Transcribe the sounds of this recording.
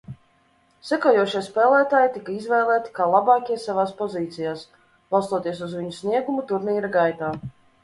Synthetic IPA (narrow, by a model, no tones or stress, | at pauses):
sɛkoɔjuɔʃijspɛːlˠæːt̪aːjt̪ikaizvɛːlˠæːt̪ʲi̥kaːlˠabɑːkʲiɛsavaːspɔziːt̪sijaːs | b̥alˠst̪uɔt̪iɛs̬uzvʲiɲusniɛɡumut̪uɾniːɾaɡajt̪aː